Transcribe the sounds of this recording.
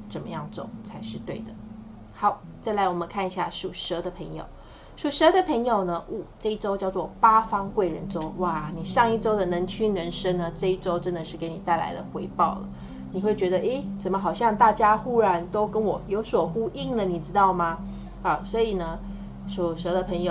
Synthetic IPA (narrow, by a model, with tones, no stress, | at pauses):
t͡sə˨˩nmə̰˧˦jɑ˥˩ŋt͡so̰˨˩˦ŋt͡sʰa˧˥ɪʂɻ̩˥˧t̪we˥˩ɪd̪ə˩ | xɑ˨˧˥ʊt͡sa˥˩ɪla˧˥ɪwɔ˨˩mə˧˦nkʰa˥˩ni˧˥ɕja˥˩ʂu˨˩ʂə˧˥d̪ə˨pʰə˧˥ŋjo̰˨˩ʊ | ʂu˨˩ʂə˥d̪ə˨pʰə˧˥ŋjo˨˩ʊnə˦ʔu˨˩ʈ͡ʂɤ˥˧i˥˩ʈ͡ʂo˥ʊt͡ɕjɑ˥˧ʊt͡swɔ˥˩pa˥fɑ˥ŋkwe˥˩ɪɻə̰˧˦nʈ͡ʂo˥ʊwa˥˩ni˨˩ʂɑ˥˧ŋi˥˩ʈ͡ʂo˥ʊd̪ə˨nə˧˥nt͡ɕʰy˥nɻə˧˥nʂə˥ŋnə˨ʈ͡ʂɤ˥˧i˥˩ʈ͡ʂo˥ʊʈ͡ʂə˦˥nd̪ə˨ʂɻ̩˥˩ke˧˥ɪni˨˩t̪a˥˩ɪla̰˧˥ɪd̪ə̰˨xwe˧˥ɪpɑ˥˩ʊlə̰˩ | ni˨˩xwe˥˩ɪt͡ɕɥɛ˧˥d̪ə˧ʔe˥ɪt͡sə˨˩nmə˦xɑ˨˩ʊɕjɑ˥˧ŋt̪a˥˩t͡ɕja˥xu˥ɻa˧˥nt̪o˥ʊkə˦˥nwɔ˨˩jo˧˥ʊswɔ˨˩xu˥ʔi˥˩ŋd̪ə˩ni˨˩ʈ͡ʂɻ̩˥t̪ɑ˥˩ʊma˩ | ɐ˧˩swɔ˧˥i˨˩nə˦ | ʂu˨˩ʂɤ˧˥d̪ə˨pʰə˧˥ŋjo˨˩ʊ